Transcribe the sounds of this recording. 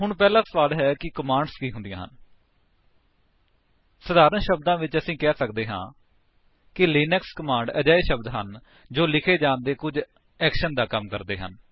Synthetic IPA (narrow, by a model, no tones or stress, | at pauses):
ɦʊɳpɛːlãːsʋaːlɦɛːkɪkəmãːɳɖskiːɦʊ̃nd̪ijãːɦən | səd̪aːɾənʃəbd̪ãːʋɪt͡ʃəsĩːkɛːsəkd̪eːɦã̰ː | kɪliːnəkskəmãːɳɖəd͡ʒaːeːʃəbd̪ɦə̰n | d͡ʒoːlɪkʰeːd͡ʒãːnd̪eːkʊd͡ʒ | ɛːkʃənd̪aːkəmkəɾd̪ḛːɦə̰n